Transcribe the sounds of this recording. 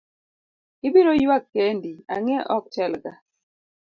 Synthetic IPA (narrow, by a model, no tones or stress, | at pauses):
ɪbiɾojwakːendia̰ŋɛʔɔk̚t͡ʃɛlɡa